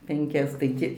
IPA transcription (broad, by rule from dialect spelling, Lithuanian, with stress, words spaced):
pʲɛŋʲˈkʲɛs tɐɪ ˈtʲɪ